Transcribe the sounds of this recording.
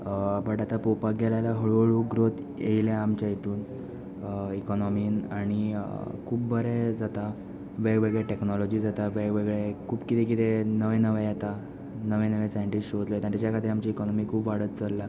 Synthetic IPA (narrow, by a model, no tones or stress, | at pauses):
pəʈat̪apopaɡelalaɦəɭoɭuɡɾot̪ | ḛiljaamt͡ɕjajit̪uːn | ikɔnɔmiːnaɽ̃ikʰuːbbəɾed͡zat̪a | ʋeɡʋeɡɭeʈeknɔlɔd͡ʑiːd͡zat̪aʋeɡʋeɡɭekʰuːbkit̪ek̬it̪enəʋẽnəʋejet̪a | nəʋẽnəʋẽsajɳʈiɕot̪ləjt̪at̪jat͡ɕjakʰat̪̬iːɾamt͡ɕiːkɔnɔmiːkʰuːbʋaɽ̤ət̪t͡səlːa